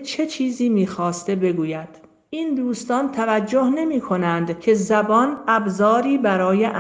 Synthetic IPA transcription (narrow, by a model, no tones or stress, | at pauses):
t͡ʃʰe̞t͡ʃʰiːziːmiːxɒːst̪e̞be̞ɡuːjæd̪̥ | ʔiːnd̪uːst̪ɒːnt̪ʰævæd͡ʒːo̞hne̞miːkʰo̞nænd̪cʰe̞zæbɒːnæbzɒːɾiːbæɾɒːjeʔ